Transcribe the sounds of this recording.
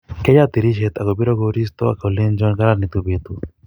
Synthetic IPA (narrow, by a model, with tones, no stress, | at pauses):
kɛ˦ja˦t̪i˨ɾi˦ʃe˨t̪a˨ko˨bi˦ɾɔ˦ɡoɾi˦st̪o̰˦a̰˨ko˨le˦nd͡ʒɔ˦nɡa˦ɾa˦ni˨t̪u˦bet̪u˨